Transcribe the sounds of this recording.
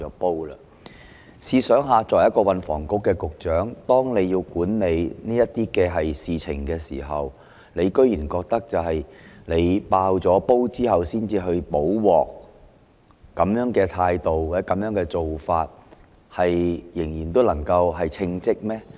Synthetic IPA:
ɔː˨˥po˥wlɐ˧ | siː˧sœː˨˥ŋɦaː˧t͡ʃɔː˨˩jɐ˥t̚kɔː˧wɐ˨nfɔ̰ː˨˩ŋkʊ˥kːɛː˧kʊ˨k̚t͡ʃœː˨˥ŋt̪ɔː˥ŋne˨˧jiː˧wkuː˨˥nne˨˧jniː˥jɐ˥t̪iː˥kɛː˧ɦɐ˨jsiː˨t͡sʰɪ̰˨˩ŋkɛː˧sḭː˨˩ɦɐ˨w | ne˨˧jkɵ˥ɥjyː˨˩nkɔː˧k̚t̪ɐ˥k̚t͡sɐ˨wɦɐ˨jne˨˧jpaː˧wt͡ʃɔː˨˥po˥wt͡siː˥hɐ˨wsiː˥nt͡siː˧ɦɵ˧ɥpo˨˥wwɔː˨k̚ | kɐ˨˥mjœː˨˥ŋkɛː˧t̪ʰaː˧jt̪o˨wwaː˨˩t͡sɛ˨˥kɐ˨˥mjœː˨˥ŋkɛː˧t͡so˨wfaː˧t̚ | hɐ˨jjɪ˨˩ŋjiː˨˩nt̪o˥wlɐ˨˩ŋkɐ˧wɦɐ˨jt͡sʰɪ˧ŋt͡sɪ˥k̚mɛː˥

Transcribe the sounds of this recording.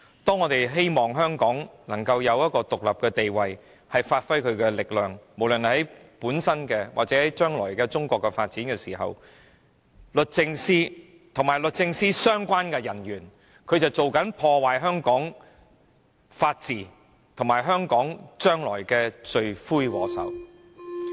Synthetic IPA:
t̪ɔː˥ŋɔː˨˧t̪e˨jɦe˥jmɔː˨ŋɦœː˥ŋkɔː˨˥ŋlɐ˨˩ŋkɐ˧wjɐ˨˧wjɐ˥t̚kɔː˧t̪ʊ˨k̚lɐ˨p̚kɛː˧t̪e˨jwɐ˨j | hɐ˨jfaː˧t̚fɐ˥jkʰɵ˨˧ɥkɛː˧lɪ˨k̚lœː˨ŋmo˨˩wlɵ˨˩nhɐ˨˥jpuː˨˥nsɐ˥nkɛː˧wa̰˨k̚t͡sɛː˨˥hɐ˨˥jt͡ʃœː˥ŋlɔː˨˩jkɛː˧t͡sʊ˥ŋkʷɔː˧kːɛ˧fa̰ː˧t̚t͡siː˨˥nkɛː˧siː˨˩ɦɐ̰˨w | lɵ˨t̚t͡sɪ˧ŋsiː˥ | t̪ʰʊ˨˩ŋmaː˨˩jlɵ˨t̚t͡sɪ˧ŋsiː˥sœː˥ŋkʷaː˥nkɛː˧jɐ˨˩nɥyː˨˩n | kʰɵ˨˧ɥt͡sɐ˨wt͡so˨wkɐ˨˥npʰɔː˧waː˨jɦœː˥ŋkɔː˨˥ŋ | faː˧t̚t͡siː˨˩ | t̪ʰʊ˨˩ŋmaː˨˩jɦœː˥ŋkɔː˨˥ŋt͡ʃœː˥ŋlɔː˨˩jkɛː˧t͡ʃɵ˨˧ɥfuː˥jwɔ̰ː˨˧sɐ̰˨˩w

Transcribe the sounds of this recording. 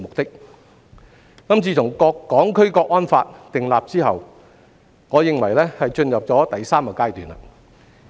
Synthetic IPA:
mʊ˨k̚t̪ɪ˥k̚ | kɐ˥mt͡sʰiː˧t̪ʰʊ˨˩ŋkɔː˧kːɔː˨˥ŋkʰɵ˥ɥkɔː˧k̚ːɔː˥nfaː˧t̚t̪ɪ˨ŋla̰ː˨p̚t͡siː˥hɐ̰˨w | ŋɔː˨˧jɪ˨ŋwɐ˨˩jlɛː˥hɐ˨jt͡ʃɵ˧njɐ˨p̚t͡sɔː˨˥t̪ɐ˨jsaː˥mkɔ˧kaː˥jt̪yː˨na̰˧

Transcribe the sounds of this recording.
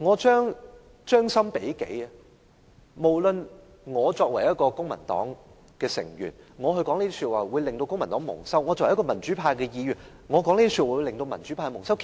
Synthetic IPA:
ŋɔː˨˧t͡ʃœː˥ŋ | t͡ʃœː˥ŋsɐ˥mpe˨˥jkḛ˨˥j | mo˨˩wlɵ˧n | ŋɔː˨˧t͡ʃɔː˧k̚wɐ˨˩jɐ˥t̚kɔː˧kʊ˥ŋmɐ̰˨˩nt̪ɔ̰ː˨˥ŋ | kɛː˧sɪ̰˨˩ŋɥy̰ː˨˩nŋɔː˨˧ɦɵ˧jkɔː˨˥ŋliː˥t̪i˥syː˧t̚waː˨˩wu˨˧jlɪ˨ŋt̪o˧wkʊ˥ŋmɐ˨˩nt̪ɔː˨˥ŋmʊ̰˨˩ŋsɐ˥wŋɔː˨˧t͡sɔ˧wjkɔ˧mɐ˨˩nt͡ʃy˨˥pʰaː˧jkɛː˧jiː˧jyː˨˩n | ŋɔː˨˧kɔː˨˥ŋli˥t̪i˥syː˧w̚aː˨˩wu˧lɪ˨ŋt̪o˧wmɐ˨˩nt͡ʃyː˨˥pʰaː˧jmʊ˨˩ŋsɐ˥wkʰ

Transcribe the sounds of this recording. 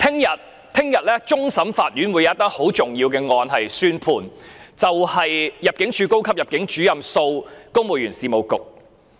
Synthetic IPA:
t̪ʰɪ˥ŋjɐ˨t̚ | t̪ʰɪ˥ŋjɐ˨t̚lɛː˥t͡sʊ˥ŋsɐ˨˥mfaː˧t̚jyː˨˥nwu˨˧jɐ˨˦ɐ˥t̪ɐ˥k̚ho˨˥wt͡sʊ˨ŋjiː˧wkɛː˧ŋɔː˧nɦɐ˨jsyː˥npʰuː˨˩nt͡sɐ˨whɐ˨jjɐ˨p̚kɪ˨˥ŋt͡ʃʰyː˨˧ko˥wkʰɐ˥p̚jɐ˨p̚kɪ˨˥ŋt͡ʃyː˨˥jɐ˨mso˧wkʊ˥mo˨˩wjyː˨˩nsiː˨mo˨˧wkʊ˨k̚

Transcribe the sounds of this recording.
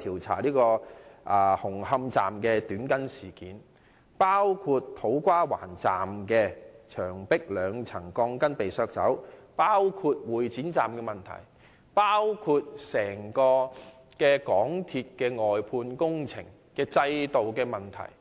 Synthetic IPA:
t̪ʰiː˨˩wt͡sʰa̰ː˨˩liː˥kɔː˧ʔaː˧hʊ˨˩ŋhɐ˧mt͡saː˨mkɛː˧t̪yː˨˥nkɐ˥nsiː˨˩kiː˨˥n | paː˥wkʰuː˧t̪ʰːo˨˥wkʷaː˥wa̰ː˨˩nt͡sa̰ː˨mkɛː˧t͡ʃʰœː˨˩ŋpɪ˥k̚lœː˨˧ŋt͡sʰɐ˨˩ŋkɔː˧ŋkɐ˥npe˨jsœː˧k̚t͡sɐ̰˨˥w | paː˥wkʰuː˧t̚wuː˨˩jt͡siː˨˥nt͡saː˨mkɛː˧mɐ˨˩nt̪ʰɐ̰˨˩j | paː˥wkʰuː˧t̚sɛː˨˩ŋkɔː˧ | kɛː˧kɔː˨˥ŋt̪ʰiː˧t̚kɛː˧ŋɔː˨˩jpʰuː˧nkʊ˥ŋt͡sʰɪ˨˩ŋ | kɛː˧t͡sɐ˧jt̪o˨wkɛː˧mɐ˨nt̪ʰɐ̰˨˩j

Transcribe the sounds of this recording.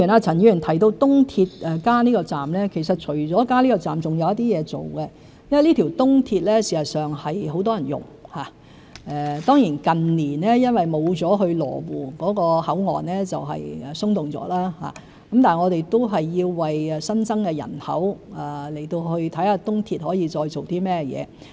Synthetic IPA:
i˨˩naː˧t͡sʰɐ˨˩njyː˧˨˩nt̪ʰɐ˨˩jt̪o˧wt̪ʊ˥ŋt̪ʰiː˧t̚ʔɛ˨kaː˥niː˥kɔː˧t͡saː˨˩mlɛː˥kʰe˨˩jsɐ˨t̚t͡ʃʰɵ˨˩ɥt͡sɔː˨˥kaː˥liː˥kɔː˧t͡saː˨˩mt͡sʊ˨ŋjɐ˨˧wjɐ˥t̪i˥jɛː˨˧t͡so̰˨wɡɛ˧ | jɐ˥wɐ˨jliː˥t̪ʰiː˨˩wt̪ʊ˥ŋt̪ʰiː˧t̚lɛː˥siː˨˩sɐ˨˩tsœː˨˩ŋhɐ˨jɦo˨˥wt̪̬ɔː˥jɐ˨˩njʊ̰˨˩ŋhaː˨˩ | ɛ˨˧t̪ɔː˥ŋjiː˨˩nkɐ˨nliː˨˩nɛː˥jɐ˥nwɐ˨jmo˨˧wt͡sɔː˨˥ɦɵ˧ɥlɔ̰ː˨˩wuː˨˩kɔː˨˥kɔː˧hɐ˨˥wŋɔ̰ː˨nɛː˥t͡sɐ˨wɦɐ̰˨jɛ˨sʊ˥ŋt̪ʊ˨ŋt͡sɔ̰ː˨˥laː˥ha̰ː˨˩ | kɐ˨˦mt̪aː˨˩ŋɔː˨˧ɾe˨jt̪o˥wɦɐ˨jːiː˧wːɐ˨jɛ˨sɐ˥nt͡sɐ˥ŋkɛ˧jɐ̰˨˩nhɐ̰˨˥wɛː˨le˨˩jt̪o˧wɦɵ˧ɥt̪ʰɐ˨˥jhaː˧t̪ʊ˥ŋt̪ʰiː˧t̚hɔː˨˥jiː˧t͡sɔː˧jt͡ʃo˨wt̪iː˥mɛː˥jɛ̰ː˨˧

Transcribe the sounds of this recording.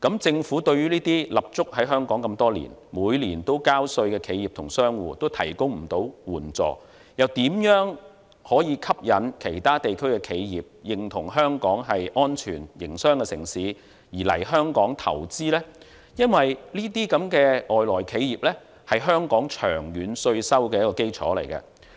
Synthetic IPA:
kɐ˨˥mt͡sɪ˧ŋfu˨˥t̪ɵ˧ɥyː˥liː˥t̪iː˥lɐ˨p̚t͡sʊ˥k̚ɦɐ˨˥jɦœː˥ŋkɔː˨˥ŋkɐ˧mt̪ɔː˥lḭː˨˩nmuː˨˧jliː˨˩nt̪o˥wkaː˥wsɵ˧ɥkɛː˧kʰe˨˧jiː˨p̚t̪ʰʊ˨˩ŋsœː˥ŋwuː˨˧t̪o˥wt̪ʰɐ˨˩jkʊ˥ŋm̩˨˩t̪o˨˥wwuː˨˩nt͡sɔ̰ː˨ | jɐ˨wt̪iː˨˥mjœː˨˥ŋ | hɔː˨˥jiː˨˧kʰɐ˥p̚jɐ˨nkʰe˨˩jt̪ʰaː˥t̪e˨jkʰɵ˥ɥkɛː˧kʰe˨˧jjiː˨p̚jɪ˨ŋt̪ʰʊ˨˩ŋɦœː˥ŋkɔː˨˥ŋɦɐ˨jʔɔː˥nt͡ʃʰyː˨˩njɪ˨˩ŋsœː˥ŋkɛː˧sɪ˨˩ŋsiː˨˥ | jiː˨˩lɐ̰˨˩jɦœː˥ŋkɔː˨˥ŋt̪ʰɐ̰˨˩wt͡siː˥lɛː˥ | jɐ˥nwɐ˨jliː˥t̪̬iː˥kɐ˨˥mkɛː˧ʔɔː˨jlɔː˨˩jkʰe˨˧jjiː˨p̚lɛ˥ | hɐ˨jɦœː˥ŋkɔː˨˥ŋt͡ʃʰœː˨˩ŋjyː˨˧nsɵ˧ɥsɐ˥wkɛː˧jɐ˥tkɔː˧ke˥jt͡sʰɔ̰ː˨˥lɐ˨˩jkɐ̰˧

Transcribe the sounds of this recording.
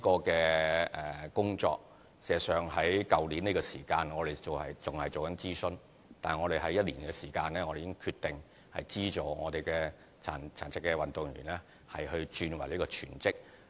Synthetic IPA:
kɔː˧kɛː˧ʔɛː˨˩kʊ˥ŋt͡ʃɔ̰ː˧k̚ | sɛː˨sœː˨ŋɦɐ˨˥jkɐ˨wliː˨˥niː˥kɔː˧siː˨˩kaː˧nŋɔ˨˧ɾe˨jt͡so˨whɐ˨jt͡sʊ˨ŋhɐ˨jt͡so˨wkɐ˨˥nt͡siː˥sɵ˥n | t̪aː˨ŋɔː˨˧ɾe˨jɦɐ˨˥jɐ˥t̚liː˨˩nkɛː˧siː˨˩kaː˧nlɛː˥ŋɔː˨˧ɾe˨jɪ˥ŋkʰyː˧t̚t̪ɪ˨˩ŋ | hɐ̰˨jt͡siː˥t͡so˨˩ŋɔ̰ː˨˧t̪e˨jkɛː˧ | t͡sʰa̰ː˨˩nt͡sʰaː˨˩nt͡sʰɪ˥kːɛ˧wɐ˨nt̪ʊ˨ŋɥy̰ː˨˩nlɛː˥ | hɐ˨jhɵ˧ɥt͡ʃyː˧nwɐ˨˩jliː˥kɔː˧t͡ʃʰyː˨˩nt͡sɪ˥k̚

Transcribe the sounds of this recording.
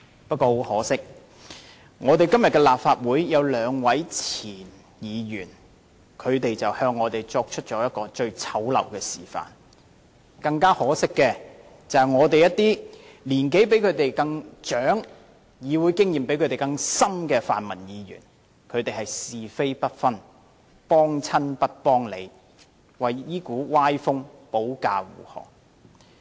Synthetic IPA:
pɐ˥t̚ko˧hɔː˨˥sɪ˥k̚ | ŋʔɔː˨˧t̪e˨jkɐ˥mjɐ˨tkɛ˧laː˨p̚faː˧t̚wuː˨˥jːɐ˨˧wlœː˨˧ŋwɐ˨˥jt͡sʰiː˨˩n | jiː˨˧jyː˨˩n | kʰɵ˨˧ɥt̪e˨jt͡sɐ˨whœː˧ŋːɔː˨˧t̪e˨˩jt͡ʃɔː˧k̚t͡ʃʰɵ˥t̚t͡ʃɔː˨˥jɐ˥t̚kɔː˧t͡ʃɵ˧ɥt͡sʰɐ˨˥wlɐ̰˨˩wkɛː˧sḭː˨˩fa̰ː˨n | kɐ˧ŋkaː˥hɔː˨˥sɪ˥kːɛː˧ | t͡sɐ˨hɐ˨jŋɔː˨˧t̪e˨jɐ˥t̪iː˥liː˨˩nke˨˥jp̬e˨˥jkʰɵ˨˧ɥt̪e˨jkɐ˧ŋt͡ʃœː˨˥ŋ | jiː˨˧wuː˨˧jkɪ˥ŋjiː˨˩mpe˨˥kʰɵ˨˧t̪e˨jkɐ˧ŋsɐ˥mkɛː˧fa̰ː˨nmɐ˨˩njiː˨˧jy̰ː˨˩n | kʰɵ˨˧ɥt̪e˨jhɐ˨jsiː˨fe˥jpɐ˥t̚fɐ˥n | pɔː˥ŋt͡sʰɐ˥npɐ˥t̚pɔː˥ŋle˨˧j | wɐ˨jjiː˥kuː˨˥waː˥jfʊ˥ŋpo˨˥wka̰ː˧wṵː˨˩hɔ̰ː˨k̚

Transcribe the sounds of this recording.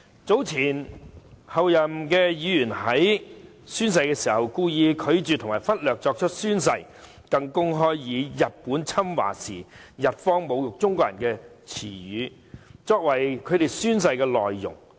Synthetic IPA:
t͡so˨˥wt͡sʰiː˨˩n | hɐ˨wjɐ˨mkɛː˧jiː˨˥jyː˨˩nɦɐ˨˥j | syː˥ns̬ɐ˧jkɛː˧siː˨˩hɐ˨wkuː˧jiː˨˧kʰɵ˨˧ɥt͡ʃyː˨t̪ʰŋmaː˨˩jfɐ˥t̚lœː˨k̚t͡sɔː˧k̚t͡ʃʰɵ˥t̚syː˥ns̬ɐ˧j | kɐ˧ŋkʊ˥ŋɦɔː˥jːiː˨˧jɐ˨t̚puː˨˥nt͡sʰɐ˥mwa̰ː˨˩sḭː˨˩jɐ˨t̚fɔː˥ŋmo˨˧wjʊ˨k̚t͡sʊ˥ŋkɔː˧kjɐ˨˩nkɛː˧t͡sʰḭː˨˩jyː˨˧˦ | t͡sɔː˧k̚wɐ˨˩jkʰɵ˨˧ɥɾe˨jsyː˥ns̬ɐ˧jkɛː˧lɔː˨jːʊ̰˨˩ŋ

